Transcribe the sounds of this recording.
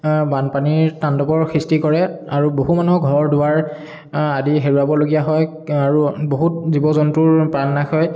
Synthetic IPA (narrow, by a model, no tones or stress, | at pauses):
banpaniɹtandɔpɔɹxʰɹistikɔɹɛaɹuboɦumanɔɡʱɔɹdʊwaɹ | adiɦeɹuabɔloɡijaɦɔj | aɹuboɦut̚zibɔzɔntʊɹpɹanːakɔj